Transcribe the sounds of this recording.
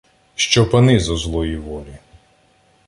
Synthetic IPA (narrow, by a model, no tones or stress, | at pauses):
ʃt͡ʃɔpɐnɪzɐzlˠɔjiʋɔlʲi